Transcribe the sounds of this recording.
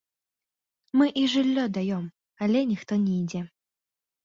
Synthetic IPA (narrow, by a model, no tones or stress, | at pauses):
mɨʔiʐɨlʲːɔd̪ajɔm | alʲɛnʲixt̪ɔnʲɛid͡zʲɛ